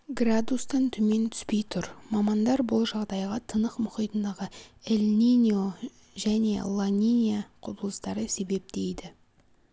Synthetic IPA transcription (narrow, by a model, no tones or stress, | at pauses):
ɡrad̪ust̪ɑnt̪ʰʏme̞nt̪ʰʏ̥spe̞jt̪ʰʊɾmɑmɑnd̪ɑɾbʊlˠʒɑʁd̪ɑjʁɑt̪ʰənəqmʊχijt̪ənd̪ɑʁəelʲnʲinʲio | ʒæne̞̰lˠanʲinʲijaqʰʊbəlˠəst̪ɑɾəse̞be̞p̚t̪e̞jd̪ɪ